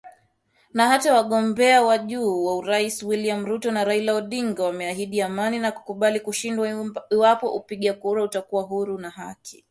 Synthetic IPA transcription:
naɦatawaɠɔmbɛawaʄuːwauɾaiswiliam̩ɾutɔnaɾailaɔɗiŋɡawamɛaɦiɗiamaninaku̥kuɓalikuʃindwaiwapɔʔupiɠakuɾautakuwaɦuɾunaɦa̰kʰi̥

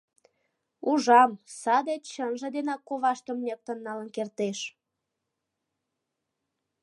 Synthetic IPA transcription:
uʒɑmsɑd̪et̪t͡ɕənʒə̆d̪enɑkːoβɑʃt̪əmnʲek̚t̪ənːɑlənkert̪eʃ

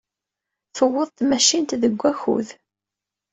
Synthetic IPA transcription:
θəwːəðˤt̪mæʃint̪ðəɡʷːæçṵð

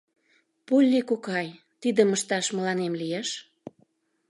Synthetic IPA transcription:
pulʲːikokɑj | t̪id̪əməʃt̪ɑʃmə̆lɑnemlijeʃ

